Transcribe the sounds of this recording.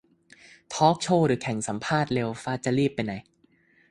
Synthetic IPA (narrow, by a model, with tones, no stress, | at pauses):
t̪ʰɔː˦˥k̚t͡ɕʰoː˧˩ɾɯː˨˩˦kʰɛ˨˩˦ŋsa˩˦mpʰaː˥˩t̪̚le˧wfaː˦˥˩t͡ɕa˨ɾiː˥˩pːa˧jna˩˦j